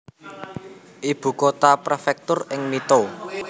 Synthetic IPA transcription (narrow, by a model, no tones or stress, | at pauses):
ʔib̥ṳkot̪apɾefɛk̚t̪ʊrɪŋmit̪o